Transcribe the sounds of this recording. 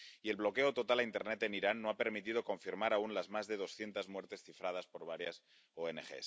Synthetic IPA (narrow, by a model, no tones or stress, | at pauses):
ie̞lβlo̞ke̞ot̪o̞t̪alaint̪eɾnet̪e̞niɾanːoape̞ɾmit̪ið̞o̞ko̞ɱfiɾmaɾaunlazmazðe̞ð̞o̞sθje̞nt̪azmwe̞ɾt̪e̞sθifɾað̞aspo̞ɾβaɾjas | oenexe̞̰s